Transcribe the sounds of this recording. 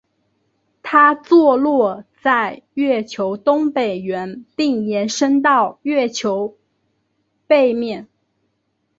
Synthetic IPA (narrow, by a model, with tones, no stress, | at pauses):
t̪ʰa˥t͡swɔ˥˧lwɔ˥˧t͡sa˥˧ɪɥɛ˥˩t͡ɕʰjo˧˥ʊt̪ʊ˥ŋpe˨˩ɪɥɛ˧˥npi˥˩ŋjɛ˧˥nʂɤ˥ŋt̪̬ɑ˥˧ʊɥɛ˥˩t͡ɕʰjo˧˥ʊ | pe˥˧ɪmjɛ˥˩n